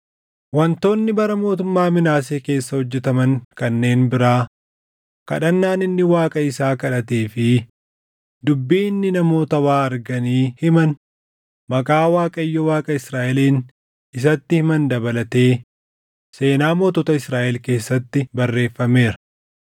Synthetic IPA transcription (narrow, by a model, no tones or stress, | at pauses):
wɐnt̪o̞ːnːɪbɐɾɐmo̞ːt̪ʊmːaːmɪnaːseːke̞ːsːɐhɔd͡ʒːɛt̪ɐmɐŋkɐnːe̞ːnbɪɾaː | kɐ̰ᶑɐnːaːnɪnːɪwaːkʼɐɪsaːkɐᶑɐt̪eːfɪ | d̪ʊbːiːɪnːɪnɐmo̞ːt̪ɐwaːɐɾɡɐniːhɪmɐn | mɐkʼaːwaːkʼɐɪjːɔwaːkʼɐɪsɾaːʔɛliːn | ɪsɐt̪ːɪhɪmɐnd̪ɐbɐlɐt̪e̞ː | se̞ːnaːmo̞ːt̪ɔt̪ɐɪsɾaːʔɛlke̞ːsːɐt̪ːɪbɐrːe̞ːfːɐme̞ːɾɐ̥